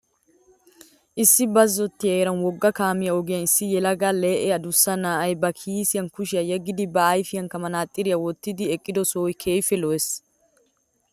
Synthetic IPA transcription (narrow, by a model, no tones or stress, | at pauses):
ʔɪsːɪbɐzːɔt̪ːɪjɐeːɾɐnwɔɡːɐkaːmɪjɐɔɡɪjɐnɪsːɪjɛlɐɡaːleːʔɛɐd̪ʊsːɐnaːʔɐjbɐkʰiːsɪjɐnkʊʃɪjɐjɛɡːɪd̪ɪbɐːjfɪjɐnkɐmɐnaːt̪ʼːɪɾɪjɐwɔt̪ːɪd̪ɪɛkʼːɪd̪ɔsoːjkʰeːjfɛlɔɛs